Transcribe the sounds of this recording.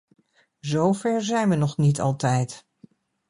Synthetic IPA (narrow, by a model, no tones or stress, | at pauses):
zowvɛɹzɛjnʋənɔχnitɑ̰lˠtɛjt